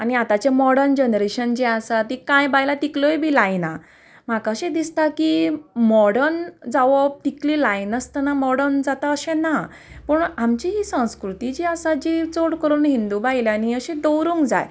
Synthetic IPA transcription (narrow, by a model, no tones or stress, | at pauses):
aniat̪at͡ɕemɔɽənd͡ʑənɾeɕənd͡ʑeasat̪ikãjbajlat̪iklɔjbʱiːlajna | m̤akaəɕẽd̪ist̪akimɔɽənd͡zaʋɔb̚t̪iklilajnəst̪ənamɔɽənd͡zat̪aəɕẽna | pəɳamt͡ɕiɦisə̃w̃skɾut̪id͡ʑiəsad͡ʑit͡soɽkəɾuːnɦind̪ubajlaniəɕẽd̪ɔwɾuŋɡd͡za̰j